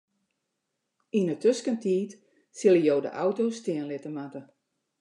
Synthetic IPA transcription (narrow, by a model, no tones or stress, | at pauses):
inətøskəntʰiːt | sɪlˠəjowdə̰ʔawtoːstɪənlɪtəmatə